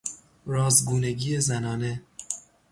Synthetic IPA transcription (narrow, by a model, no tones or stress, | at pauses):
ɾɒːzɡuːne̞ɟiːezænɒːne